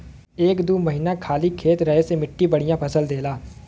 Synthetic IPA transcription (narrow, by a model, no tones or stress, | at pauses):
eːkd̪uːməɦinakʰaːlikʰeːt̪ɾɐɦesemɪʈːibəɽijãpʰɐsəld̪eːlaː